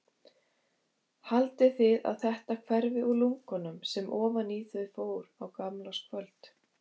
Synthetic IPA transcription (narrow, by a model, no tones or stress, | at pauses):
halt̪ɪθɪða̰ðθɛht̪akʰvɛɾvɪʔuluŋkɔnʏmsɛmʔɔːvaniθœɥfoːwɾawkamlaskʰvœlt̪